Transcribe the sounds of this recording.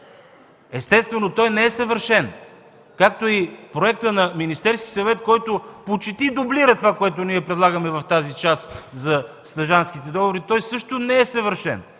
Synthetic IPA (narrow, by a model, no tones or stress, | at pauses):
ɛst̪ɛst̪vɛnot̪ɔjnɛɛsɐvəɾʃɛn | kakt̪oipɾoɛk̚t̪ənɐminist̪ɛɾskʲi̥sɐvɛt̪kɔjt̪opot͡ʃit̪id̪obliɾət̪ovakoɛt̪oniɛpɾɛd̪lˠaɡəmɛvɐft̪azit͡ʃaszɐ | st̪ɐʒansk̟it̪ɛd̪ɔɡovoɾit̪ɔjsɤʃt̪onɛɛsɐvəɾʃɛ̰n